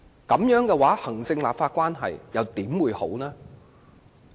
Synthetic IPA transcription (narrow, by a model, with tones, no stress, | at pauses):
kɐ˨˥mjœː˨˥ŋkɛː˧waː˨˥hɐ˨˩ŋsɪ˧ŋlaː˨p̚faː˧t̚kwaː˥nɦɐ̰˨jjɐ˨˧wt̪iː˨˥mwuː˨˧jho̰˨˥wnɛː˥